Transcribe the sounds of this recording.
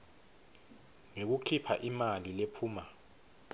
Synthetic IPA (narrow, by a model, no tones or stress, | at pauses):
ŋek̬uǃʰipʰaʔimalilepʰuːma